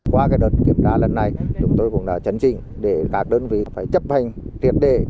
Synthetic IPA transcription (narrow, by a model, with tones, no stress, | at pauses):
kwaː˧kaː˨˦jɗəː˨˩t̚ki˧˩əmtaː˧˩lə˨˩nːa˨˩jt͡ɕʊ˨˦ŋ͡mt̪o˧jkʊ̰˧˥ŋ͡mɗaː˧˥t͡ɕə˨˦nt͡ɕḭ˧˨ŋ̟ | ɗe˧˩kaː˦˥k̚ɗəː˧nvḭ˧˨˦faː˧˩jt͡ɕə˦˥p̚ha˨˩jŋ̟t̪ʰi˨˩ət̚ɗḛ˧˨